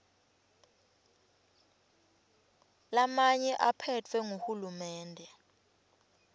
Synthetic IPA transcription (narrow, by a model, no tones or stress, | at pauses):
lamaɲɛʔapʰɛtʰwɛŋohulumɛːndʱɛ